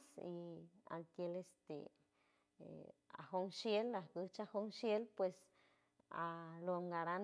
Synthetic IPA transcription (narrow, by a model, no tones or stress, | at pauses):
sia̰lk̪jelest̪ḛ | a̰hoŋʃjelahkɨht͡ʃahoŋʃjelpwes | aloŋɡaɾan